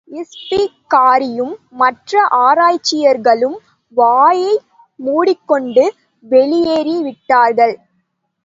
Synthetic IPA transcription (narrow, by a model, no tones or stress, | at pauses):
ɪspikaːɾɪjɯmːɐʈrɐʔaːɾaːjt͡ʃːɪjɐɾɣɐɭɯm | ʋaːjɐɪ | muːɽɪkːɔɳɖɯ | ʋɛɭɪjeːɾiʋɪʈːaːɾɣɐɭ